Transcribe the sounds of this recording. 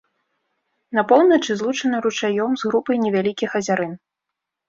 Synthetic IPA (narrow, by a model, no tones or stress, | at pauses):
nɐpɔwnɐt͡ʂɨzlˠut͡ʂɐnɐɾut͡ʂajɔmzɣɾupɐjnʲɛvʲalʲikʲixɐzʲaɾɨn